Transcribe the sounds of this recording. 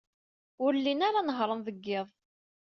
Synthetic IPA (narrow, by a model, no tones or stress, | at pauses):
ʊɾəlːinaɾanəɦɾˤənðəɡːɪðˤ